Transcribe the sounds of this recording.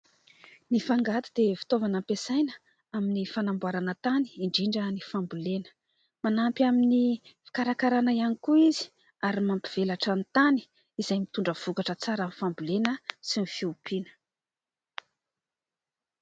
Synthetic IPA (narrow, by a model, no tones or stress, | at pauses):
nifaŋɡat̪i̥d̪̥efi̥t̪ovanampesajnə̥ | aminifanambuaɾanət̪ani̥iɳɖ͡ʐiɳɖ͡ʐənifambulenə̥ | manampʲaminifi̥kaɾakaɾanaianikuizi̥ | aɾimampi̥v̥elaʈ͡ʂant̪ani̥ | izajmit̪uɳɖ͡ʐəv̥ukaʈ͡ʂət͡saɾamnifambulenəsinifiupinə̥